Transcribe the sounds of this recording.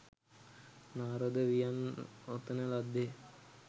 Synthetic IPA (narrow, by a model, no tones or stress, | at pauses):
naːɾɐd̪əʋijanot̪ːənəlad̪ːe